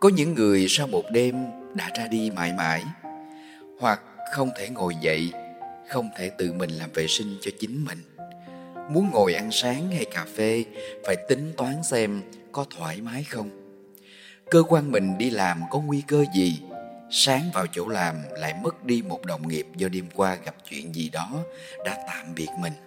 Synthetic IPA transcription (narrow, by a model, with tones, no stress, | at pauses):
kɔ˨˦ɲɨ̰˧˥ŋːɨ˨˩əjsaː˧wmo˨˩t̚ɗe˧mɗa̰ː˧˥zaː˧ɗi˧ma̰ː˧˩jma̰ː˧˩j | hwa˨˩k̚xə˧wŋ͡mt̪ʰe˧˩ŋo˨˩jvə̰˧˨jxə˧wŋ͡mt̪ʰe˧˩t̪ɨ̰˧˨mï˨˩ŋ̟laː˨˩mvḛ˨˩sï˧ŋ̟t͡ɕɔ˧t͡ɕï˨˦ŋ̟mï˨˩ŋ̟ | mu˨˦ənŋo˨˩jʔa˧nsaː˨˦ŋha˧jkaː˨˩fe˧faː˧˩jt̪ï˨˦ŋ̟t̪waː˨˦nsɛ˧mkɔ˨˦t̪ʰwaː˧˩jmaː˨˦jxə˧wŋ͡m | kəː˧kwaː˧nmï˨˩ŋ̟ɗi˧laː˨˩mkɔ˨˦ŋwi˧kəː˧zi˨˩saː˨˦ŋvaː˨˩wt͡ɕo̰˧˥laː˨˩mla̰ː˧˨jmə˦˥k̚ɗi˧mo˨˩t̚ɗə˨˩wŋi˨˩əp̚zɔ˧ɗi˧mkwaː˧ɣa˨˩p̚t͡ɕwḭ˧˨ənzi˨˩ɗɔ˨˦ | ɗa̰ː˧˥t̪a̰ː˧˨mɓi˨˩ət̚mï˨˩ŋ̟